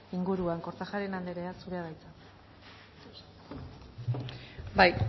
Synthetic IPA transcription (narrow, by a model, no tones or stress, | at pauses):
iŋɡuɾuaŋko̞ɾt͡saxaɾe̞nand̪e̞ɾe̞asuɾe̞aðajt͡sa | baj